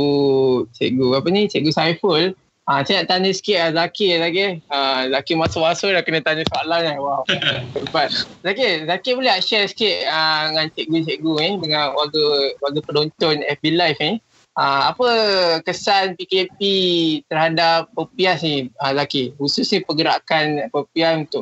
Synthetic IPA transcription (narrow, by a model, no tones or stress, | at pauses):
ut͡ʃḛʔɡuapənit͡ʃɛʔɡusajfəl | asajaʔt̪aɲəsə̥kɪʔazakizakeəzakimasomasolakənə̃t̪aɲəsalahnawawdəpat̚zakezakiboleaʔʃɛsə̥kɪʔəŋantɛʔɡut͡ʃeʔɡuidəŋãnwaɡəwaɡəpədont̪ɔnɛfbilajfni | əapəkəsanpikepit̪ərɦadapːəpiasniəzakihususɲəpəɡəɾa̰kanpəpiasunt̪ʊʔ